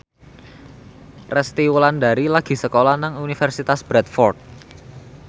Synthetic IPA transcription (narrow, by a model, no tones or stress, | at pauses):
rʔɛst̪iwlanda̤ɾilaɡ̥i̤səkolanaŋunifɛrsit̪asb̥ɾɛt̪̚fɔrt̪̚